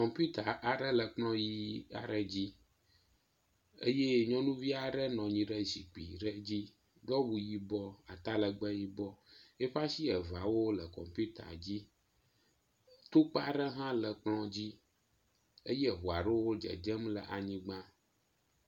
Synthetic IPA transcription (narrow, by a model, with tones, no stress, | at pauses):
kɔ̃˨mpu˦t̪a˨ʔa˨ɖə˦lə˨k͡plɔ̃˦ji˦a̰˨ɖə˦d͡ʑi˦ | e˦je˦ɲɔ̃˦nũ˦vi˦a˨ɖə˦nɔ̃˨ɲĩ˨ɖə˦zi˨k͡pḭ˨ɖə˦d͡ʑi˦ | ɖɔ˦wu˨ji˦bɔ˦a˨t̪a˦lə˨ɡ͡bə˦ji˦bɔ˦e˦ɸa˦si˦ə˨va˨wo˦lə˨kɔ̰˨mpu˦t̪a̰˨d͡ʑi˦ | t̪o˦k͡pa˦ɖə˦ɦã˦lə˨k͡plɔ̃˦d͡ʑi˦ | ə˦je˦ɦu˨a˨ɖɛ˦wo˦d͡ʒə̰˨d͡ʒə˦mlə̰˨ʔa˨ɲĩ˦ɡ͡bã˦